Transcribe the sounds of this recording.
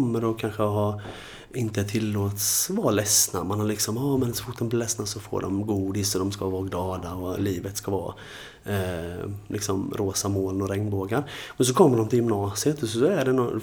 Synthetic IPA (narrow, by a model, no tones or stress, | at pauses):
mːəɾɔkʰanɧəɦaɾ | ɪnt̪əɛʈʰɪlːoːt̪svɑɾlɛsna̰manhalɪksɔmɑːmɛnsɔfʊʈ̚ːd̪ɔmblɪlɛsnasɔfo̰ːɖɔ̰mɡuːd̪ɪsɔd̪ɔmskavɑːɡlɑːd̪aɔliːvət̪skavɑ̰ː | lɪksɔmɾʔoːsamoːlnɔɾɛŋnboːɡaɾmɛns̬ɔkʰɔmːəɖɔmt̪ʰɪljʏmnɑːsɪət̪ɔɔæɖɛnɔ